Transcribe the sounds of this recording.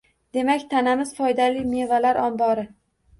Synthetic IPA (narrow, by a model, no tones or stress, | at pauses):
d̪̥e̞makʲt̪ʰanamɪz̥fɒjd̪alɪjme̞valaɾɒmbɒɾɪ